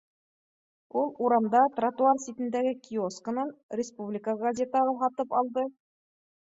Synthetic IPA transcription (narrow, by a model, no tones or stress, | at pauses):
ulˠuɾɑmd̪ɑt̪rat̪uarsʲit̪ɘ̆nd̪æɡɘkʲʰioskə̆nɤnʲɪspublʲɪkəɡɐzʲet̪ɑʁɑɦɒt̪ɤpɒlˠd̪ɤ